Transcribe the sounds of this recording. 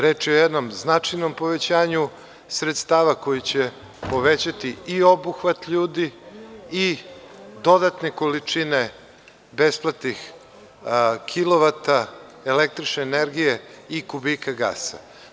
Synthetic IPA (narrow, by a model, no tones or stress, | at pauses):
ɾeːt͡ʂeojɛd̪no̞mznat͡ʂajno̞mpo̞ʋet͡ɕaːɲu | sɾet̪st̪aːʋako̞jit͡ɕe | po̞ʋet͡ɕat̪iiobuxʋat̪ʎuːd̪i | i | d̪o̞d̪at̪ne̞kolit͡ʂine | besplˠat̪ix | kʰilˠo̞ʋat̪aelek̚t̪ɾit͡ʃneːneɾɡijeikubikaɡa̰sa̰